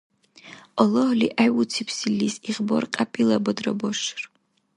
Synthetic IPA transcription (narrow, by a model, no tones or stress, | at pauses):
ɔlˠɔhliʔajut͡sʰipʰsilːisiʁbɔrqʼapʼilˠɐbɔd̪rɐ̰bɔʃr